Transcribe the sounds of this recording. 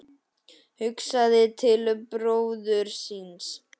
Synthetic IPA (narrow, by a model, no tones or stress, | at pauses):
hʏksaðɪt̪ʰɪlpɾoːwðʏɾ̥sins